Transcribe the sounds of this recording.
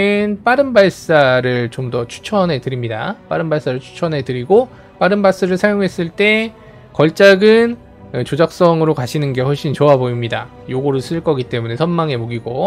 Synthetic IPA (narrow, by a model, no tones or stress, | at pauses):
enp͈aɾɯnbaɭs͈aɾɯɭt͡ɕomdʌt͡ɕʰu̥t͡ɕʰʌnɦe̞tɯɾimɲida̰p͈a̰ɾɯnbaɭs͈aɾɯɭt͡ɕʰu̥t͡ɕʰʌnɦe̞tɯɾiɡo | p͈aɾɯnbas͈ɯɾɯɭsʰajoŋɦe̞s͈ɯɭt͈e̞ | kʌɭt͡ɕ͈aɡɯn | ɯt͡ɕod͡ʑak̚s͈ʌŋɯɾokaɕʰinɯnɡe̞hoɭɕ͈int͡ɕoaboimɲida | joɡoɾɯɭs͈ɯɭk͈ʌɡit͈e̞mune̞sʰʌnmaŋe̞moɡiɡo